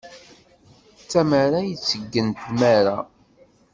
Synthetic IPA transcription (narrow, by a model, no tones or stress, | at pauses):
t͡sːæmaɾajət͡sːəɡːənt̪mæɾa